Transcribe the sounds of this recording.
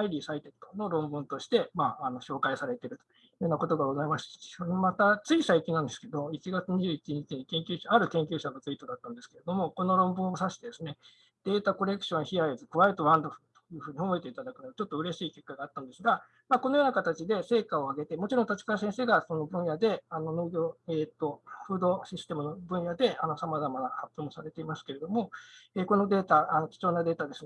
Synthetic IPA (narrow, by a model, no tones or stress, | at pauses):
aiɾʲiːsait̪et̪ono̞ɾõ̞mbɯ̟̃nt̪o̞ɕi̥t̪e̞maːno̞ɕo̞ːkaisaɾe̞t̪e̞ɾɯ̟t̪o̥ | ɯːjonako̞t̪o̞ɡaɡozaimaɕi̥soɾemat̪at͡sɨisaikʲĩnãnd̪e̞sɨ̥ke̞d̪o̞it͡ɕiɡat͡sɨɲ̟iʑɨːit͡ɕiɲ̟it͡ɕiɲikẽ̞ŋkʲɨːɕaaɾɯ̟kẽ̞ŋkʲɨ̟ːɕaɡat͡sɨit̪od̪at̪ːãnd̪e̞sɨ̥ke̞ɾe̞d̪o̞mo̞ko̞no̞ɾõ̞mbɯ̟̃ɰ̃o̞saɕi̥t̪e̞d̪e̞sɨne̞ | d̪̥e̞ːt̪ako̞ɾe̞kɯ̥ɕõ̞ɰ̃çiaizɨkɯ̟βaet̪oβãnd̪o̞ɸɯ̟t̪o̥jɯ̟ːɸɯ̟ːɲ̟io̞mo̞et̪e̞it̪ad̪akɯ̟noat͡ɕo̞t̪ːo̞ɯ̟ɾe̞ɕiːke̞kːaɡaːt̪ːãnd̪e̞sɨɡa | maːko̞nojoːnakat̪at͡ɕid̪e̞se̞ːkao̞aɡe̞t̪e̞mo̞t͡ɕiɾõ̞t̪at͡ɕi̥kasẽ̞ɰ̃se̞ːɡaso̞no̞bɯ̟̃ɰ̃jad̪e̞ano̞noːɡʲo̞ːeːt̪ːo̞ɸɯ̟ːd̪o̞ɕisɨ̥t̪e̞mɯ̟nobɯ̟̃ɰ̃jad̪e̞ano̞samazamanahapʲːjo̞ːmosaɾe̞t̪e̞imasɨ̥ke̞ɾe̞d̪o̞mo̞eːko̞no̞d̪e̞ːt̪aano̞t͡ɕi̥t͡ɕo̞ːnad̪e̞ːt̪ad̪e̞s